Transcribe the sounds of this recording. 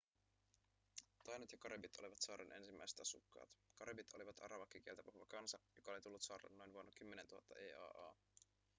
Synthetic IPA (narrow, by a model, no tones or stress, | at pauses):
t̪ɑjnot̪jɑkɑɾebit̪o̞liʋɑt̪sɑːɾʔenʔe̞̰nsimːæjse̥t̪ɑsukːɑ̰ːt̪kɑɾebit̪oliʋɑt̪ʰɑ̰ɾɑʋɑkːik̟ielt̪æpuhuʋɑkɑnsɑjokɑolit̪ulːut̪sɑːɾlḛnːo̞jnʋuonːɑk̟ymːenent̪uhɑ̰t̪ːɑ̰ʔeːɑ̰ːʔɑ̰ː